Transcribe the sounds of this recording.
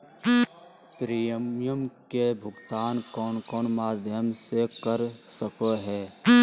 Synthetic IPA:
pɾijəmjəmkebʱʊɡt̪aːnkɔːnkɔːnmaːd̪ʱjəmsekəɾsəpʰəɦɛː

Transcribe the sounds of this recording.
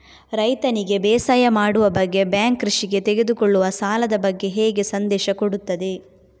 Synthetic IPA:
ɾɐjt̪ɐniɡe̞bɛːsaːjɐmaːɽuʋɐbɐɡːe̞bjaːŋkɾuʃiɡe̞t̪eɡe̞d̪ukoɭːuʋɐsaːlɐd̪ɐbɐɡːe̞ɦeːɡe̞sɐnd̪ɛːʃɐkoɽut̪ːɐd̪e̞

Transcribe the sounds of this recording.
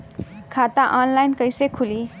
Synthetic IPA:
kʰat̪aʔɔnlajnkəjsekʰuli

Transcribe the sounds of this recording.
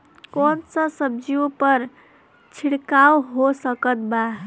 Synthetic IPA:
kɔnsə̃səb̚d͡ʒiopəɾ | t͡ʃʰiɽkawɦosəkət̪̚ba

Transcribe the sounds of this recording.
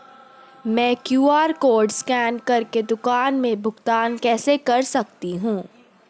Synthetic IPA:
mɛ̃ːkjuːaːɾkoːɾɖskɛːnkɐɾked̪ʊkaːnmẽbʱʊɡt̪aːnkɛːsekɐɾsɐk̚t̪iɦũː

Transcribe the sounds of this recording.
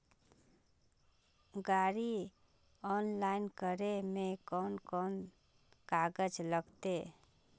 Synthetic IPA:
ɡaɾi | ɔnlainkəɾemekɔnkɔn | kaɡəd͡ʒləɡt̪e

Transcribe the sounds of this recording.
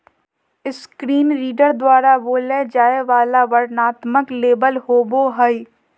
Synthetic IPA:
ɪskɾiːnɾiːɖəɾd̪waːɾaʋoːled͡ʒaːeʋaːlaʋəɾnaːt̪məkleːbəlɦoːboɦəi

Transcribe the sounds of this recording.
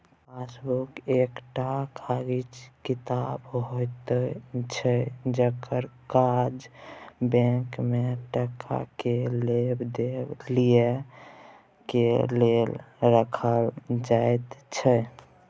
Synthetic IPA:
pasbukekʈakʰaɡit͡ʃkit̪abɦojt̪ət͡ʃʰəd͡ʒəkəɾkad͡ʒbɛ̃kmeʈəkʰːa̰kelebd̪elije | kelelɾəkʰəld͡ʒaet̪t͡ʃʰə

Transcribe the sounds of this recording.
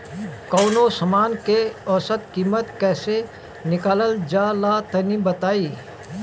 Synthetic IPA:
kɔːnosɐmaːnkeɔːsət̪kiːmət̪kɛːse | nɪkaːləld͡ʒaːlat̪ɐnibət̪aːiː

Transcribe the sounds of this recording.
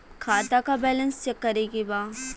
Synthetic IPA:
kʰaːt̪akabɛːlə̃nst͡ʃəkːəɾeɡibaː

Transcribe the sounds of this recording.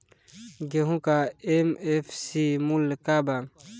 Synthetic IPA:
ɡeɦũkaemefʰsimulkaba

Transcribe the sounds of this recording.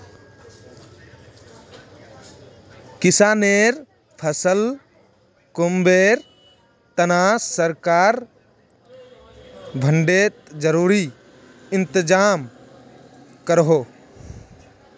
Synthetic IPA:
kɪsaːneːɾ | pʰəsəl | kʊmbeːɾ | t̪ənaːsəɾkaːɾ | bʱəɳɖeːt̪d͡ʒəɾuːɾi | ɪ̃nt̪ɪd͡ʒaːm | kəɾɦoː

